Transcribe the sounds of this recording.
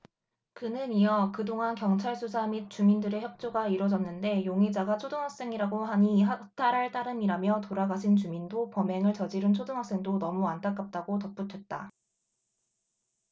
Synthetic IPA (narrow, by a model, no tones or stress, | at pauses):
kɯnɯniʌkɯdoŋankjʌŋt͡ɕʰaɭsʰusʰamit̚t͡ɕ͈umindɯɾe̞çjʌp̚t͡ɕ͈oɡaiɾʌd͡ʑʌnːɯnde̞joŋed͡ʑaɡat͡ɕʰodɯŋɦak̚s͈e̞ŋiɾaɡoɦaɲiɦatʰaɾɦaɭt͈aɾɯmiɾamjʌtoɾaɡaɕʰint͡ɕumindopʌme̞ŋɯɭt͡ɕʌd͡ʑiɾɯnt͡ɕʰodɯŋɦwak̚s͈e̞ŋdonʌmuant͈ʰak͈ap̚t͈aɡotʌp̚p͈utʰwe̞t̚t͈a̰